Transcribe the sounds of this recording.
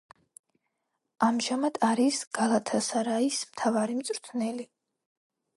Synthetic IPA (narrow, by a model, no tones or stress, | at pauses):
amʒamad̪̥aɾisɡ̥alˠat̪ʰasaɾaismt̪ʰavaɾimt̪sʼɾt̪ʰnɛli